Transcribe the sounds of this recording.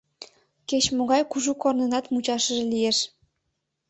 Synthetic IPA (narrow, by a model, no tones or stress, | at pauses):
ket͡ɕmoɣɑjkuʒukornənɑt̪mut͡ɕɑʃəʒĕlijeʃ